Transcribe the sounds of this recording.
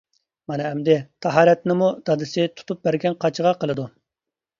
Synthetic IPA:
mɑnɛːmd̪ɪt̪ʰɑɦɑːɾɛt̪nɪmud̪̥ɑd̪ɨsɪt̪ʰu̥t̪ʰup̚bæɾɡʲɛnqʰɑt͡ʃʰəʁɑqəlˠɨd̪u

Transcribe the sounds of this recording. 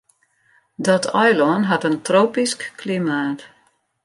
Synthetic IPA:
dɔtʰɔjlɔnɦatəntroːpiskklimaːt

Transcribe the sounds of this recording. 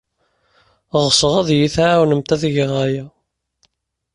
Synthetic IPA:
ʁsəʁæðjiθʕwnəmt̪æðʝʁæjæ

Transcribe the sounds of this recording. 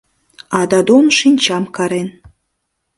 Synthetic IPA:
ɑd̪ɑd̪omʃinʲt͡ɕɑmkɑɾen

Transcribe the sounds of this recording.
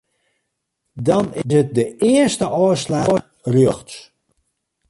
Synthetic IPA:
dɑnɪsɦət̚dəɪərstəʔɔːslaːr | rjøxts

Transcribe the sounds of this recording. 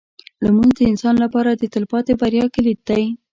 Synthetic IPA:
lamund̪əɪnsɑnlapɑɾad̪ət̪ɪlpɑt̪ebaɾjɑkɪlid̪aj

